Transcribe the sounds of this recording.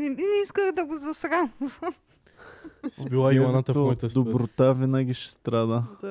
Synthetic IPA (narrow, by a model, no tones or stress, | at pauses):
nɛinɛiskəɣd̪ɐɡozɐsɾa | biaanat̪ɐkɔt̪d̪obɾot̪avinaɡʲiʃɛ̥st̪ɾad̪ə